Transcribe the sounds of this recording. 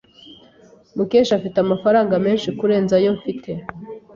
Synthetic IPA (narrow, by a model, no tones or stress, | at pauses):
muke̞ːʃafitamafaɾaːŋɡame̞ːnʃikuɾe̞ːnzajo̞ɱfitʰe̞